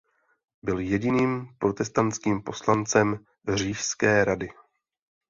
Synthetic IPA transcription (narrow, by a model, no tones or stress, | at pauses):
bɪljɛɟɪniːmpɾo̞t̪ɛst̪ant͡skiːmpo̞slant͡sɛm | riːʃskɛːɾadɪ